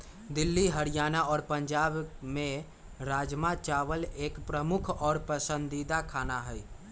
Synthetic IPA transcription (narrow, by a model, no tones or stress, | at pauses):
d̪ɪlːiɦəɾijaːnaɔːɾpə̃ɲd͡ʒaːbmẽ | ɾaːd͡ʒmat͡ʃaːʋəleːkpɾəmʊkʰɔːɾpəsə̃nd̪id̪akʰaːnaɦɛi